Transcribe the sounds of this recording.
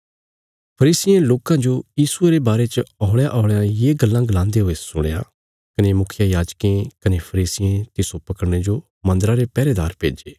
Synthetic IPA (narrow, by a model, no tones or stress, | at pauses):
pʰɐɾiːsɪjẽloːkãd͡ʒojiːsʊeɾebaːɾet͡ʃɔːɭjaʔɔːɭejãjeːɡɐlːãɡlãːnd̪eɦoesʊɽ̃eja̰ | kɐnemʊkʰɪjajaːd͡ʒkẽkɐnepʰɐɾiːsɪjẽt̪ɪsopɐkəɽɽ̃ed͡ʒo | mɐ̃nd̪əɾãɾepɛːɾed̪aːɾpḛːd͡ʒeː